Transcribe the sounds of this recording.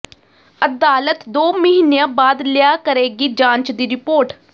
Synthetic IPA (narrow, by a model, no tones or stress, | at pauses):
əd̪aːlət̪d̪oːməɦiːnejãːbaːd̪lɪjaːkəɾeːɡiːd͡ʒãːɲt͡ʃd̪iːɾɪpoːɾʈ